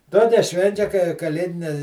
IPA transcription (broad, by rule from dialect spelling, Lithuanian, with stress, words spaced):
ˈtoːkʲɛ ˈʃʲʋʲɛnʲt͡ʃʲɛ kɐɪ kɐˈlʲeːdʲɪnʲɛ